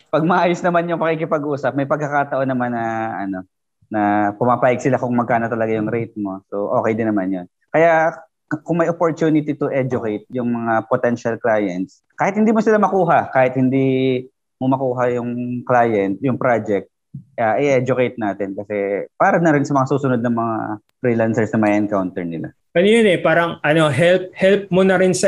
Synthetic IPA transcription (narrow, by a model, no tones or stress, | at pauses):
pɐɡ̚mɐʔaːjosnɐmanjʊŋpɐkikɪpɐɡʔuːsɐp̚mɐjpɐɡ̚kːɐkaːt̪ɐʔo̞nːɐmanːɐʔɐ̰no̞ | nɐpʊmaːpaːjɪɡ̚sɪlakʊŋmɐɡkaːno̞t̪ɐlɐɡajʊŋɾɛjt̪̚mo̞soʔo̞ːkɛjd̪ɪnɐmanjon | kɐja | kʊŋmɐjʔopoɹt̪juːnɪt̪it̪ʊʔɛd͡ʒʊkɛjt̪̚jʊŋmɐŋapot̪ɛnʃɐlklaːjɛ̰nt̪̚s | kaːhɪt̪̚hɪnd̪iːmosɪlamɐkuːɦɐkaːhɪt̪̚hɪnd̪iː | momɐkuːɦɐjʊŋklaːjɛnt̪̚jʊŋpɾad͡ʒɛk̚t̪̚ | ʔaʔɪʔɛd͡ʒʊkɛjt̪̚naːt̪ɪnkɐsɛpaːɾɐnɐɾɪnsɐmɐŋasuːsʊnod̪̚nɐŋmɐŋa̰ | fɾiːlansɛɹsnɐŋmɐjʔɐnkawnt̪ɛɹnɪla̰ | ʔɐnojonɛpaːɾɐŋʔɐno̞ɦɛlp̚hɛlp̚monɐɾɪnsɐ